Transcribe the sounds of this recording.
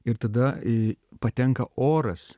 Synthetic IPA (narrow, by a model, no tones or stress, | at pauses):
ɪɾt̪ɐd̪ɐpɐt̪ʲɛŋkɐʔoːɾɐs